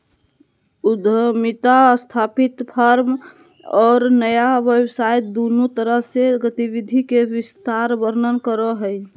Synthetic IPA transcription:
ud̪ʱəmit̪ast̪ʰapit̪pʰəɾm | ɔːɾnəjaʋjəwsajd̪onut̪əɾəɦseɡət̪iʋid̪ʱikewɪst̪aɾbəɾnənkəɾəɦəj

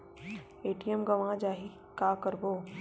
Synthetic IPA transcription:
eːʈijəmɡəʋãd͡ʒaːɦi | kaːkəɾboː

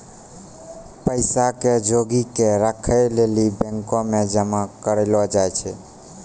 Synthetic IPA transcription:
pəɪsaked͡ʒoɡikeɾəkʰəlelibẽŋkɔmed͡ʒəmakəɾelɔd͡ʒajt͡ʃʰɛ

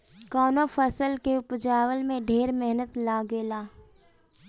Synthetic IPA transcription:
kɔːnofʰəsəlkeʊpd͡ʒaːwəlmẽɖʱeːɾmɛɦnət̪laːɡeːlaː

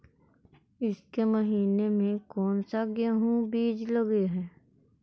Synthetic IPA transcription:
ɪskeməɦiːnemẽkɔːnsaɡjəɦũbiːd͡ʒləɡeɦɛː

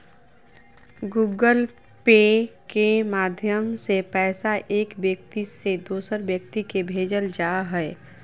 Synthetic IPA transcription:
ɡuːɡəl | peːkemaːd̪ʱjəmsepɛːsaʔeːkʋjək̚t̪ised̪oːsəɾbjək̚t̪ikebʱeːd͡ʒəld͡ʒaːɦɛɛ

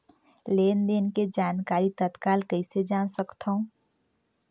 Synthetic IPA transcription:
leːnd̪enked͡ʒaːnkaːɾit̪ət̪kaːlkəised͡ʒaːnsəkt̪ʰəũ

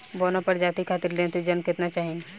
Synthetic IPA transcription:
boːnapɐɾd͡ʒaːt̪ikʰaːt̪ɪɾlẽt̪id͡ʒɐnkɪt̪nat͡ʃaːɦi

